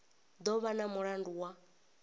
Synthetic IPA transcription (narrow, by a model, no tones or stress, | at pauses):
d̪ɔβanamuɺanduwa